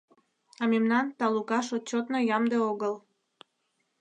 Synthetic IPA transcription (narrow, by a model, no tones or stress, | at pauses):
ɑmemnɑnt̪ɑlukɑʃot͡ɕot̪nojɑmd̪eoɣəl